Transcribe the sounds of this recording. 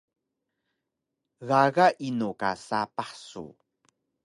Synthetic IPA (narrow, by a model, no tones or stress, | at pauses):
ɣaɣaʔinuka̰sapaħsṵ